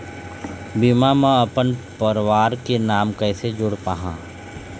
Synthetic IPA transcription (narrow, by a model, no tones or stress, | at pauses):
bimamə̃əpənpəɾʋaːɾkenaːmkɛːsed͡ʒʊɽpaːɦã̰ː